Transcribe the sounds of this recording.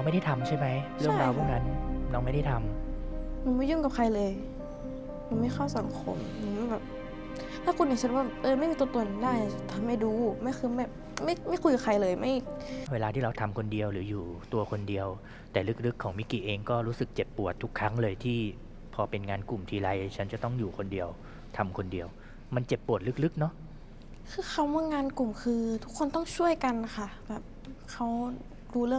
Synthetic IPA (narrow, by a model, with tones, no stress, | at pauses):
ɔ˧˥ŋa˥˩jda˥˩jt̪ʰa˧mt͡ɕʰa˥˩jma˦˥jɾɯ˥˩əŋ˧ɾaː˧wpʰu˥˩na˦˥nnɔː˧˥ŋma˥˩jda˥˩jt̪ʰa˧m | mɯː˧˦nmaː˧˥˩ju˥˩ŋka˨˩p̚kʰa˧jlɤː˧j | mu˧˩nmi˧˩xʰa˥˩wsa˨˦ŋkʰo˧˦mmɯː˧˩ma˥˩bɛː˨˩p̚ | t̪ʰaː˦˥˩kʰu˧niː˧˩sa˧˩t̚waː˥˩lɤː˧ma˥˨jmiː˧˩t̪ət̪o˧˩˨ndaː˥˩ja˧˩˧t̪ʰa˧mːa˧˥˩jduː˧ma˥˩jxʰɯː˧mɛː˨˩p̚ | ma˥˩jma˥˩jku˧jka˨˩kʰa˧jlɤː˧jma˥˩jweː˧laː˧t̪ʰiː˥˩ɾa˧wt̪ʰa˧mkʰo˧ndi˧əwɾɯː˩˦juː˨˩t̪u˧ɐkʰo˧ndi˧əw | t̪ɛː˨˩lɯ˦˥k̚lɯ˦˥kʰːɔː˩˦ŋmi˦˥kiː˨˩ʔeː˧ŋkɔː˥˩ɾuː˦˥sɯ˨˩k̚t͡ɕe˨˩pːu˨˩ət̪ʰːu˦˥kʰːa˦˥ŋlɤː˧jt̪ʰiː˥˩ | pʰɔː˧pe˧nŋaː˧nku˨˩mt̪ʰiː˧ɾa˧jt͡ɕʰa˦˥nt͡ɕa˨˩t̪ɔ˥˩ŋjuː˨˩kʰo˧ndi˧əw | t̪ʰa˧mkʰo˧ndi˧əw | ma˧nt͡ɕe˨˩pːu˨˩ət̪̚lɯ˦˥k̚lɯ˦˥k̚nɔ˦˥ʔ | kʰɯː˧xʰa˦˥˩wma˧˥˩ŋaː˧nku˨˩mkʰɯː˧t̪ʰu˦˥kʰːo˧˨nt̪ɔ˥˩ŋt͡ɕʰu˥˩əjka˧nːa˦xʰa˥˩bɛː˨˩p̚ | kʰa˦˥w | duː˧lɯ˥˩ə˨